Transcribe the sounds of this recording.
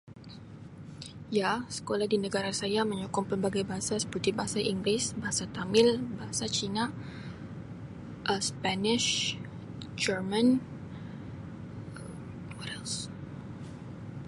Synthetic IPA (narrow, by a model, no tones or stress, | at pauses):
jasə̥kolahdinəɡaɾasajaməɲokɔŋpəmbaɡajbaɦasasə̥pərt̪ibaɦasaʔiŋɡlɪsbaɦasat̪amɪlbaɦasat͡ʃina | ʔəspanɪʃ | d͡ʒərman | wɔɾɛls